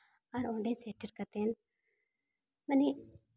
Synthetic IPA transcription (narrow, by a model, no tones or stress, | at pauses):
ɐɾõːɳɖẽːseːʈəɾkɐt̪en | mɐne